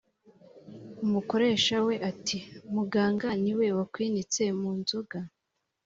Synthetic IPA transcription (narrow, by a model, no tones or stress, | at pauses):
umuko̞ɾe̞ːʃawe̞ʔatʰimuɡaːŋɡaniwe̞wakwiːnit͡se̞muːnzoɡa